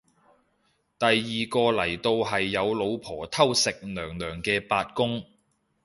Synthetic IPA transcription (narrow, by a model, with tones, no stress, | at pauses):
t̪ɐ˨jːiː˨kɔː˧lɐ˨˩jt̪o˧wɦɐ˨jːɐ˨˧wlo˨˧wpʰɔː˨˩t̪ʰɐ˥wsɪ˨k̚nœː˨˩ŋlœː˨˩ŋkɛː˧paː˧t̚kʊ˥ŋ